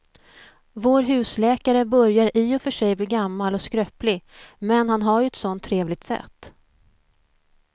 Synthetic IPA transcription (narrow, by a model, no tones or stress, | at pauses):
voːɾɦʉ̟ːslɛːkaɾəbœɾjaɾʔiːɔfœʂɛjbliːɡamːalɔskɾœplɪmɛnhanɦaɾjɵɛt̪sɔnt̪ʰːɾeːvlɪɡ̚t̪sɛ̰t̪ː